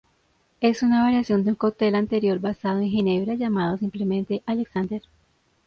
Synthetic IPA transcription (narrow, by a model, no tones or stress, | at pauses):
e̞sunaβaɾjasjo̞nd̪eũŋkawt̪e̞lant̪e̞ɾjo̞ɾbasaðo̞ẽŋxene̞βɾaʝamað̞o̞s̬imple̞mẽ̞nt̪e̞ʔaleksand̪eɾ